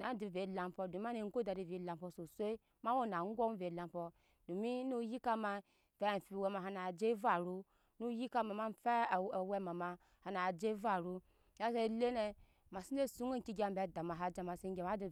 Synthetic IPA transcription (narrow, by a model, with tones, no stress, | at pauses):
na˨˦di˨ve˨˦la˨m˦pɔ˧do˨m˦a˦ne˨ŋ˦ɡo˦da˨di˨vi˨˦la˨m˦pɔ˧so˨sʷo˦ | ma˦wo˦na˨ŋ˦ɡo˦m˦ve˨la˨m˦pɔ˨ | do˨mi˦nu˦ji˦ka˦ma˧˨ | fe˦˨fi˦˨we˧ma˨ɦa˧na˨d͡ʒe˦va˨ɾu˦ | nu˦ji˦ka˦ma˨ma˦fe˦˨we˦ma˨ma˨ | ha˨na˨d͡ʒe˦va˦˨ɾu˦ | a˦se˦le˦ne˧ | ma˨si˦n˦de˦su˦ŋe˦ŋ̩˨ki˦ɡʲa˨m̩be˨˦˨da˨ma˨ɦa˨d͡ʒa˨ma˨se˦ŋ˦ɡʲe˨ma˦di˨